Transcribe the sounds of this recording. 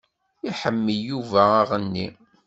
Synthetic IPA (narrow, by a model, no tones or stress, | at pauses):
iħəmːəjːuvæːʁənːi